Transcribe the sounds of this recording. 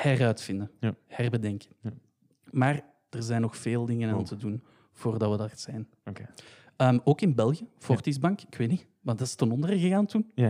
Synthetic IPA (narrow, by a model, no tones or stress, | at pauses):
hɛrœːtfɪndəhɛrbədɛŋkə̥ | maːr | d̥ərzɛjnːɔxfeːlˠdɪŋənaːntədun | v̥oːrdɑtʋədarz̥ɛːn | əːmoːkɪnbɛlˠɣjəfɔrtizbɑŋkɪkweːtni | ʋɑndɑtɪ̥stənɔndərəɣəɣaːntun